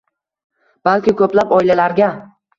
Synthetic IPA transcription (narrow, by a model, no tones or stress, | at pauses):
b̥alkʲɪkʰɵplapɒjlalaɾɡʲa